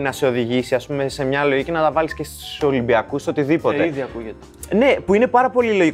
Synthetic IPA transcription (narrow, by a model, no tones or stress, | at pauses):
nɐse̞o̞ðiʝisiɐspume̞se̞mɲɐlo̞ʝice̞nɐt̪ɐvɐlisce̞st̪u̥so̞limbiɐkusso̞t̪iðipo̞t̪eiðiɐkuʝet̪e̥ | ne̞puine̞pɐɾɐpo̞lilo̞ʝi